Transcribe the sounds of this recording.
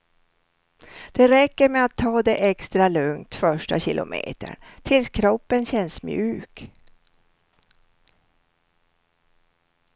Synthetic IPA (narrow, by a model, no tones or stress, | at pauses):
d̪̥ɛɾɛkːəɾmɛat̪ʰːɑːd̪ɛʔɛkst̪ɾalɵŋt̪fœʂʈa̰ɕɪlʔʊ̰mʔḛːt̪ə̰ɳt̪ʰɪlskʰɾɔpːənɕɛnːsmjʉːk